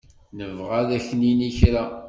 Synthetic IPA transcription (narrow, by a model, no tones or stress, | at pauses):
nəvʁaðæçniniçɾæ